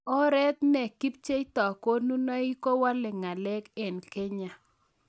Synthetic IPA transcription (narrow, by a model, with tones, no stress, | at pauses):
ɔ˦ɾɛ˦t̪nɛ˨ki˦p̚t͡ʃe˦jt̪ɔ˨ko˦nu˦na˦i˦ko˦wa˦lɛ˨ŋa˨lɛ˦kɛ˨nke˦ɲa˨